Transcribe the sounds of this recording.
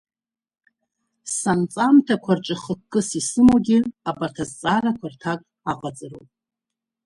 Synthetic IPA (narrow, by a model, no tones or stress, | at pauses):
sant͡sʼamtʰakʷʰarʈ͡ʂʼɪχəkkʼːɨsisɨmoɡʲɪabartʰazt͡sʼarakʷʰartʰakʼ | aqʼat͡sʼɨrowpʼ